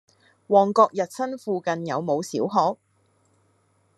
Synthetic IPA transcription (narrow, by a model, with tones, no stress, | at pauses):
wɔː˨˩ŋkɔː˧k̚jɐ˨t̚sɐ˥nfuː˧kɐ˧njɐ˨˧wmo˨˧wsiː˨˥wɦɔː˨˥k̚